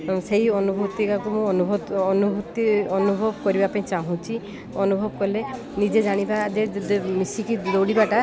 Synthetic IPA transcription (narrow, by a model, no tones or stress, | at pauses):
seɦjɔnubʱut̪ikakumũɔnubʱɔɔnubʱut̪iɔnubʱɔbɔkɔɾibapaĩt͡ʃaɦũt͡ʃʰi | ɔnubʱɔbɔkɔle | nid͡ʒed͡ʒaɽ̃ibad͡ʒemisikid̪owɽibaʈa